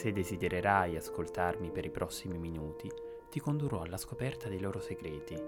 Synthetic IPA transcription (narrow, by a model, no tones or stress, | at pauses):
sed̪ːezid̪eɾeɾajaskolt̪armipeɾipɾʔɔsːimiminuːt̪i | t̪ikond̪urɔalːaskopɛrt̪ad̪ejloːɾoseɡɾɛːt̪i